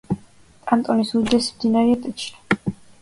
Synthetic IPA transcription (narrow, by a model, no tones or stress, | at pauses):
t̪ʼant̪ʼɔnisuɾd̪ɛsmd̪inaɾiat̪ʼit͡ʃʰnḁ